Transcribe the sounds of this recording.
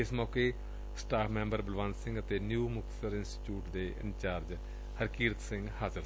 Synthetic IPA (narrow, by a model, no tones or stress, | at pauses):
ɪsmɔːkeː | sʈaːkʰmɛ̃ːmbəɾbəlʋaːnsɪ̃ŋɡət̪eːnjuːmʊk̚t̪ə̥səɾɪnsʈːʈjuːʈd̪eːʔɪ̰nt͡ʃaːɾd͡ʒ | həɾkiːɾət̪sɪ̃ŋɡhaːzəɾ